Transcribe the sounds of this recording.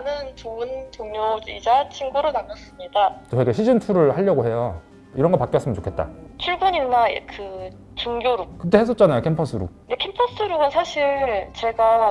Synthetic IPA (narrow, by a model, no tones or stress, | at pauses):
anɯntoɯntoŋɲoid͡ʑat͡ɕʰinɡuɾonamʌs͈ɯmɲidaoweɡeɕʰid͡ʑintʰuɾɯɭhaʎːʌɡoɦe̞jo | iɾʌnɡʌpak͈jʌs͈ɯmʌnt͡ɕokʰe̞t̚t͈a̰t͡ɕʰuɭɡuɲina̰kʰɯ | t͡ɕoŋɡʲjoɾuk̚kɯt͈ehes͈ʌt̚t͡ɕ͈anajokʰempʰʌs͈ʰɯɾṵk̚nde̞kʰempʰʌs͈ʰɯɾuɡɯnsʰaɕʰiɾt͡ɕe̞ɡa